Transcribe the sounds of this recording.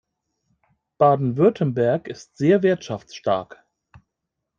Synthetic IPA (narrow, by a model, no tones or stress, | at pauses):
b̥aːdn̩vʏɐtʰən̩bɛɐkɪstz̥eːɐvɪɐtʃaft͡sʃta̰ɐk